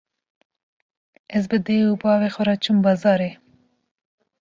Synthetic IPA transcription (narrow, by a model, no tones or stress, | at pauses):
ɛz̬bɨd̪eupɑːwexɔɾɑt͡ʃʰumbɑːzɑːɾe